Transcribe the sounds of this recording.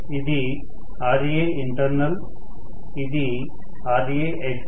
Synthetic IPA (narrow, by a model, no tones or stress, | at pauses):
id̪i | aːɾie | iɳʈɐɾnɐl | id̪i | aːɾieːʔek